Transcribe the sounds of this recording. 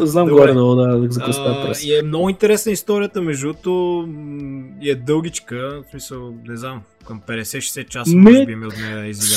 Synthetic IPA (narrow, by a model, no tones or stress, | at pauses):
znamɡɔɾɛd̪ɛd̪ad̪kzɐkəst̪apɾɛ̰iɛmnɔɡʊint̪ɛɾɛsnəist̪ɔɾijət̪əmɛʒut̪ʊ | iɛd̪ɤlˠɡʲit͡ʃkəsmisəlˠnɛznam | kɐmpɛd̪ɛsɛʃɛ̥sɛt̪̚t͡ʃasnɛbimiot̪nɛjiz